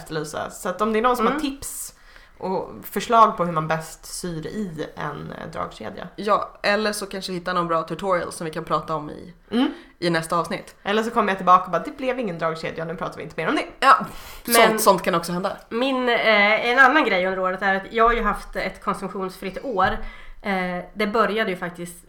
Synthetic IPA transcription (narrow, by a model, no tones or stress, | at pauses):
ft̪əlyːsa̰sat̪ɔmd̪ɛæɳnɔnsɔmhatʰɪps | ʔɔfœʂɭɑːɡ̚pʰɔɦɵmanbɛst̪syːɾɪɛ̰nd̪ɾɑ̰ːɡɕḛːd̪ja̰jɑːʔɛlːəʂɔkʰanʂəɪhɪt̪ːanɔnbɾɑːt̪ʰɵʈ̪ʰɔɾɪə̰lsɔmvɪkʰanpʰɾɑːt̪aɔmːɪ̰ | ʔɪnɛst̪aɑːvsnɪt̪ːʔɛlːəʂ̬ɔkʰɔmːjat̪ʰɪlbɑːkaɔbɑːd̪ɛblɛvɪŋːənd̪ɾɑːɡɕḛːd̪janʉ̟pʰɾɑːt̪aɾvɪɪnt̪əmeːɾɔmd̪ɛjɑːmsɛɔnsɔnt̪kʰanɔksɔhɛnd̪amɪnɛnanːanɡɾɛjːɵnd̪əɾoːɾət̪æɾat̪jɑːɡhaɾjɵɦaft̪ɛt̪kʰɔnsɵmɧuːnsfɾɪt̪ːoːɾ | d̪ɛbœɾjad̪əjɵfak̚t̪ɪst̪